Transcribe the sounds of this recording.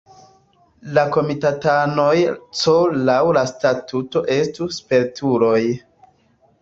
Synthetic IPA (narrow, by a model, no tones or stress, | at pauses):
lako̞mitatano̞jt͡solawlastatuto̞ʔe̞stuspe̞ɾtʰuɾo̞j